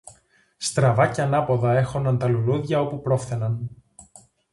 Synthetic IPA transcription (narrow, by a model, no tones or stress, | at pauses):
st̪ɾɐvɐceɐnɐpo̞ðɐe̞xo̞nd̪ɐnt̪ɐluluðʝɐo̞pupɾo̞fθe̞nɐn